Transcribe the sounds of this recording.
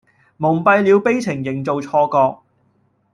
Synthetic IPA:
mʊ˨˩ŋ͡mpɐ˧jliː˨˧wpe˥jt͡sʰɪ˨˩ŋjɪ˨˩ŋt͡so˨wt͡ʃʰɔː˧kɔː˧k̚

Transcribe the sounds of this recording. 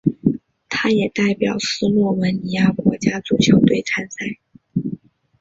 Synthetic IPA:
t̪ʰa˥jɛ˨˩t̪a˥˩ɪpjɑ˨˩ʊsɹ̩˥mwɔ˥˩wə˧˥nni˧˩ja˥˩kwɔ˧˥t͡ɕja˥t͡su˨˩t͡ɕʰjo˧˥ʊt̪we˥˩ɪt͡sʰa˥nsa˥˩ɪ

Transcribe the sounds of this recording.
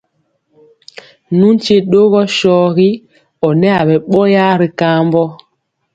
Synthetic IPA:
nu˦n˦t͡ʃe˦ɗo˦ɣɔ˦ʃɔː˦ɣi˦ | ɔ˨nɛ˦a˨ɓɛ˨ɓɔ˦ja˦ɾi˨ka˦mbɔ˦

